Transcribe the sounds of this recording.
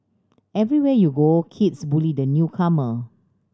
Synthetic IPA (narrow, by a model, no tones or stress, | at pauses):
ɛvɹiwɛəjuɡokʰitsbulidənjukʰamə